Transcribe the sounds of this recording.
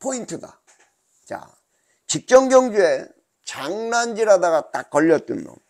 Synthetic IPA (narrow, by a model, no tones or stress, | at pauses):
pʰointʰɯda̰ | t͡ɕa̰ | t͡ɕik̚t͡ɕ͈ʌŋɡjʌŋd͡ʑue̞ | t͡ɕaŋnand͡ʑiɾadaɡat͈ak̚k͈ʌʎːʌt̚t͈ṵnːo̰